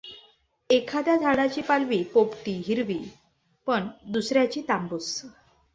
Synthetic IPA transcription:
ekʰad̪jad̪ʱaɽat͡ɕiːpalʋiːpopʈiːɦiɾʋiː | pəɳd̪usɾjat͡ɕiːt̪ambus

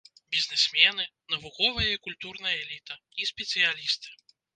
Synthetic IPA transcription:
bʲiznɛsʲmʲɛnɨnɐvukɔvɐjɐikulʲt̪urnɐjɐɛlʲit̪ɐ | isʲpʲɛt̪sɨjalʲist̪ɨ̥

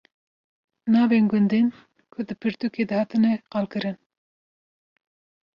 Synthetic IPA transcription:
nɑːveːnɡʊnd̪ɨn | kʰʊd̪ɨpʰɨɾt̪uked̪ɨhɑːt̪ɨnɛqɑlkɨɾɨn

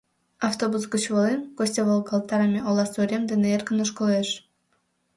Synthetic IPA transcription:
ɑft̪obusɡot͡ɕβolˠenkosʲtʲeβolˠɡɑlˠt̪ɑɾɑmʲeʔolˠɑsoɾʲemd̪eneerkə̆noʃkŏleʃ

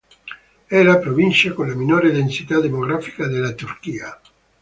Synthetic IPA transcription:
ɛɾapɾovint͡ʃakonlaminoɾed̪ensit̪ad̪emoɣɾafi̥kad̪elat̪urkiːa

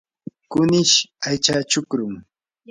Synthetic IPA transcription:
kʊnɪʃajt͡ʃat͡ʃʊkɾʊŋ

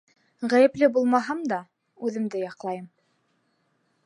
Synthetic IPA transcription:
ʁæjɘ̆plɘbulˠmɑɦɤmd̪ɑ | ʉðɘ̆md̪ɘjɑqlˠɑjɤm

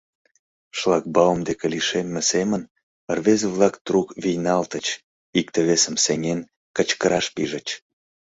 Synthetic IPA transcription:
ʃlˠɑk̚bɑwomd̪ekʲeliʃemːesemən | ərβezeβlɑkt̪rukvijnɑlt̪ət͡ɕ | ikt̪eβesə̆mseŋʲen | kət͡ɕkəɾɑʃpiʒə̆t͡ɕ

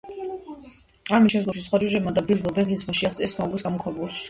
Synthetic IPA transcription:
amisʃɛmd̪ʁɔʃisχwad͡ʒuʒɛbmad̪abilbɔbɛvinsʰmaʃiaχt̪siɛsmaɡwisɡamɔkʰɔɾbulˠʃi̥

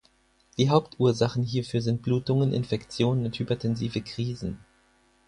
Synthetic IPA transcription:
d̥iːɦaʊptʔuːɐzaχn̩ɦiːɐfyːɐzɪnt̚b̥luːtʊŋənʔɪ̰nfɛkt͡sjoːnənʊnthyːbɐtʰɛnziːvəkʁ̥iːzn̩

